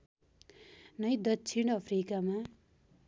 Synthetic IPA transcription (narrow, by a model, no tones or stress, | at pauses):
nʌjd̪ʌsʰinʌpʰrikama